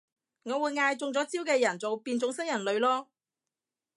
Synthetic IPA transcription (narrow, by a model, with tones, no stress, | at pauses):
ŋɔː˨˧wuː˨˧jŋaː˧jt͡sʊ˧ŋt͡sɔː˨˥t͡siː˥wkɛː˧jɐ˨˩nt͡so˨wpiː˧nt͡sʊ˨˥ŋsɐ˥jɐ˨˩nlɵ˨˧ɥlɔː˥